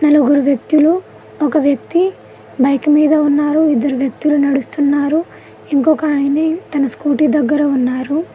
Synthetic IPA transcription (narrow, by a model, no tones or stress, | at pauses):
nɐluɡuɾuʋjɐk̚t̪ulu | ɔkɐʋjɐk̚t̪i | bɐjkmiːd̪ɐunːaːɾuid̪ːɐɾuʋjɐk̚t̪ulunɐɽust̪unːaːɾu | iŋkɔkɐːjneːt̪ɐnɐskuːʈid̪ɐɡːɐɾɐunːaːɾu